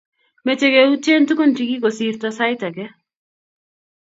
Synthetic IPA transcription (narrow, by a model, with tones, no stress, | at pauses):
met͡ʃe˦ɡeut͡ʃe˦nt̪u˦ko˦nt͡ʃiɡi˦ko˨sirt̪ɔsa˦jta˨ɡɛ˦